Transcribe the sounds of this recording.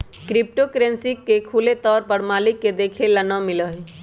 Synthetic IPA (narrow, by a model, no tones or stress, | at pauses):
kɾip̚ʈokɾensikːekʰulet̪ɔːɾpəɾmaːlikːed̪ekʰelənəmiləɦ